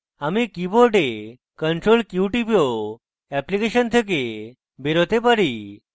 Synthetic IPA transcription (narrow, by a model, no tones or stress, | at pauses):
amikiboɾɖe | kəɳʈɾolkjuʈipio | ɛplikeɕənt̪ʰek̬e | beɾot̪epaɾi